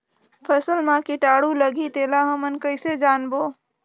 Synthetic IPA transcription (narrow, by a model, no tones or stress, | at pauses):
pʰəsəlmãkiʈaːɽuləɡit̪eːlaɦəmənkəɪsed͡ʒaːnboː